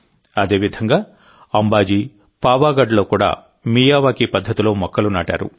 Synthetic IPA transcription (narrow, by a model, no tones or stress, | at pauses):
ɐd̪e̞ːʋid̪ʱɐŋɡaː | ɐmbaːd͡ʒi | paːʋaːɡɐɖlo̞ːkuːɽa̰ː | miːjaːʋaːkipɐd̪ʱːɐt̪ilo̞ːmɔkːɐlunaːʈa̰ːɾṵ